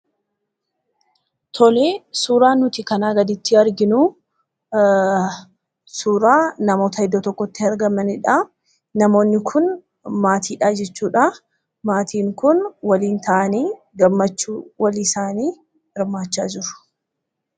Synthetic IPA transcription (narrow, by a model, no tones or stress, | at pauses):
t̪ʰɔleːsuːɾaːnːʊt̪ɪkɐnaːɡɐd̪ɪt̪ːɪɐɾɡɪnu | suːɾaːnɐmo̞ːt̪ɐɪd̪ːɔt̪ɔkːɔt̪ːɪɐɾɡɐmɐnɪᶑa | nɐmo̞ːnːɪkʰʊn | maːt̪ʰiːᶑaːd͡ʒɛt͡ʃːuːᶑa | maːt̪ʰiːŋkʊnwɐliːnt̪ʰɐʔɐniː | ɡɐmːɐt͡ʃːuːwɐlisaːniː | ɪɾmaːt͡ʃːa̰ːd͡ʒɪɾʊ̥